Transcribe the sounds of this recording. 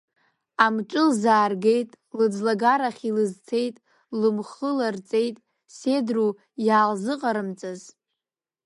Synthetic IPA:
amʈ͡ʂʼɨlzaːrɡe̞jtʼ | lɨd͡zlaɡaɾaχʲilɨzt͡sʰe̞jtʼ | lɨmχɨlart͡sʼe̞jtʼ | se̞dru | jaːlzɨqʼaɾɨmt͡sʼaz

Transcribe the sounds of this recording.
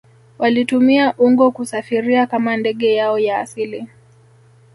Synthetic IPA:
walitumiaʔuŋɡɔkusafiɾiakamandɛɠɛjaɔja̰ːsili

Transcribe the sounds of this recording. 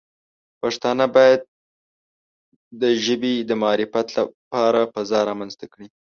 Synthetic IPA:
paʂt̪ɑnəbɑjad̪̚ | əʒəbid̪əmaɑɾɪfat̪lapɑɾapəzɑɾɑmanzt̪akɽi

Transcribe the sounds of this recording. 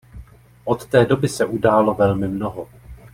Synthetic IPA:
ʔo̞t̪ːɛːdo̞bɪsɛʔudaːlo̞vɛlmɪmnoɦo

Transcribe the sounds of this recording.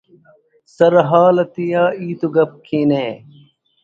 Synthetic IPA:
sɐɾɦaːlɐt̪ijaːiːt̪uɡɐp̚kʰiːneː

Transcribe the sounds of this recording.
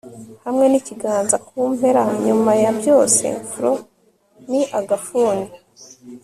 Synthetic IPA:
hamŋe̞niciɡaːnzakuːme̞ɾaɲumajabjo̞ːse̞̰fuɾo | niʔaɡafuːni

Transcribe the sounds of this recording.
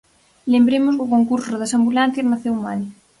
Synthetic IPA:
lembɾemʊsɣokoŋkuɾsʊðɐsambulan̟θjɐznaθewmani

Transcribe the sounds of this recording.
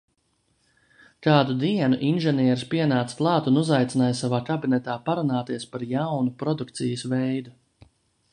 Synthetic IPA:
kaːd̪ud̪iɛnuʔinʒɛniɛɾspiɛnaːt̪st̪lˠɑːt̪unuzajt̪sinaːjsavaːkabinɛt̪aːpaɾunaːt̪iɛspaɾjawnupɾɔd̪uk̚t̪sijəsvɛjd̪u

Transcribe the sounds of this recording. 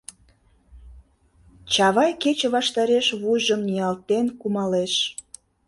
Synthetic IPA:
t͡ɕɑβɑjket͡ɕĕβɑʃt̪ɑɾeʃβujʒəmniɑlt̪enkumɑleʃ

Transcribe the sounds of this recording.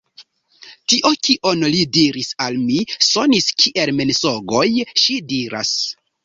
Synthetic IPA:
tiʔokiʔo̞nlidiɾisalmiso̞niskʰiʔe̞lmenso̞ɡo̞jʃidiɾa̰s

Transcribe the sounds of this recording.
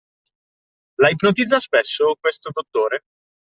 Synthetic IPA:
laipnot̪̬id̪zːaspesːokwest̪od̪ot̪ːoːɾe

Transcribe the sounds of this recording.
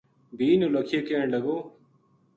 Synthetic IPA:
biːnuːləkʰijeːkeːɳləɡoː

